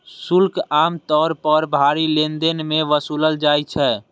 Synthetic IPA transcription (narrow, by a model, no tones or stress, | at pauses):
sulkaːmt̪ɔːɾpəɾbʱaːɾilend̪enmẽʋəsuləld͡ʒaːjt͡ʃʰɛ